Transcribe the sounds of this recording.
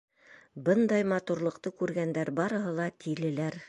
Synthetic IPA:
bɤnd̪ɑjmɑt̪uɾlˠɤ̆qt̪ɤkʉɾɡænd̪æɾbɑɾɤ̆ɦɤ̆lˠɑt̪ʰilɘ̆læɾ

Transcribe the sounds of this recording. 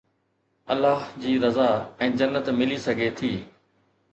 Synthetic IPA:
ɐ̰lːaːɦd͡ʑiːɾɐzaɛ̃ːd͡ʑɐnːət̪mɪlisɐɡʱet̪ʰiː

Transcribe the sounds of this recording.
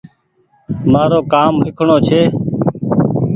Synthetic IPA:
maːɾoːkaːmɾɪkʰɳoːt͡ʃʰeː

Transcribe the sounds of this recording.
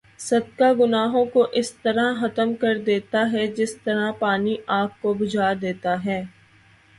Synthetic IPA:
sɐd̪kaɡʊnaːɦõkoʔɪst̪ɐɾãxɐt̪əmkɐɾd̪eːt̪aɦɛd͡ʒɪst̪ɐɾapaːniʔaːp̚kobʊd͡ʒʱaːd̪eːt̪aɦɛː

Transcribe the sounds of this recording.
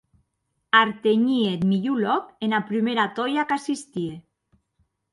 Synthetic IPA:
aɾt̪eɲiet̪miʎulɔkenapɾimeɾat̪ɔjakasist̪ie

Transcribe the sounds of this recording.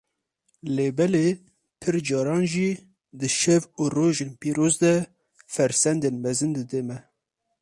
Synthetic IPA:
leːbɛle | pʰɨɾd͡ʒɑːɾɑːnʒiː | d̪ɨʃɛvuroːʒenpiːɾoːzd̪ɛ | fɛɾsɛnd̪enmɛzɨnd̪ɨd̪emɛ

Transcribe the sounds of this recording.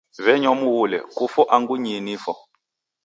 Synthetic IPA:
βɛɲɔmuwulɛ̰kufɔʔaŋɡuɲinifɔ

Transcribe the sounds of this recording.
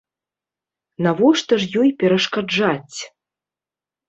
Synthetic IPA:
navɔʂt̪ɐʐjɔjpʲɛɾɐʂkad͡ʐat͡sʲ

